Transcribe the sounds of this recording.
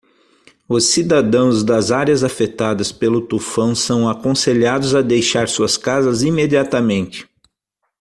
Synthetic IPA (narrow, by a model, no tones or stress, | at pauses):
ʊsːid̪ad̪ɐ̃w̃zd̪ɐzaɾjɐzafet̪ad̪ɐspelʊt̪ufɐ̃w̃sɐ̃w̃akõseʎad̪ʊzɐd̪ejʃaɾsuɐskazɐzimed͡ʒiat̪ɐmẽnt͡ʃɪ̥